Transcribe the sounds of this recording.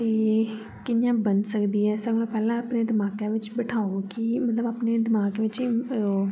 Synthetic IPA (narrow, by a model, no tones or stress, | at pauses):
t̪eː | kɪnjãːbənsəkd̪iːɦɛːsəɾmõːpɛːlãːapneːd̪ɪmaːkãːʋɪt͡ʃbəʈʰaːokɪmət̪ləbaːpneːd̪ɪmaːɡʋɪt͡ʃː